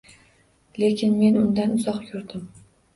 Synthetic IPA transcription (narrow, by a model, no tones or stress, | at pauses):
le̞kʲʰɪnme̞nʊnd̪anʊzɒqkʰʊɾd̪ɪm